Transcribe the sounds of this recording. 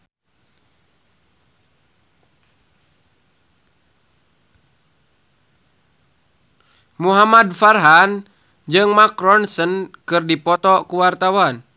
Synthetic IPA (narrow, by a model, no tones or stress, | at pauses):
muɦamadfarɦan | d͡ʒɨŋmakɾɔnsənkɨrdipɔt̪ɔkuwart̪awan